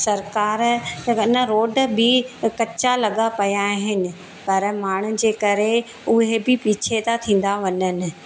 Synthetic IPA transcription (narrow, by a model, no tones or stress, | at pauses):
sɐɾkaːɾɪnəɾoːɖbɪkɐt͡ɕalɐɠapɐjaɦɪnɪ̆ | pɐɾmaːɳ̤̃ʊd͡ʑeːkɐɾe | ʊɦebɪpiːt͡ɕʰet̪at̪ʰĩːn̆d̪aʋɐɲənɪ̆